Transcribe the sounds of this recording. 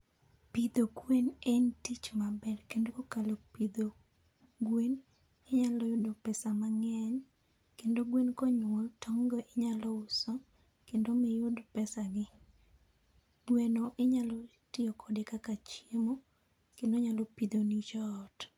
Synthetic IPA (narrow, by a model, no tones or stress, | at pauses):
pid̪oɡwenentit͡ʃmabɛɾkendokokalopid̪o | ɡwen | eɲalɔjʊdopɛsamaŋɛɲ | kendoɡwenkɔɲwɔltʰɔŋɡɔʔɪɲalɔʊsɔ | kendomɪjʊdpɛsaɡɪ | ɡwenoʔɪɲalɔ | tɪɔkʰɔdɪkakat͡ʃjemo | kendoɲalɔpid̪onit͡ʃɔt